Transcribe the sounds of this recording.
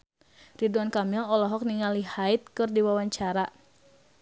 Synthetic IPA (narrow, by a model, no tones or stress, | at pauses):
riduankamilɔlɔɦɔk̚niŋalihait̪̚kɨrdiwawaɲt͡ʃaɾa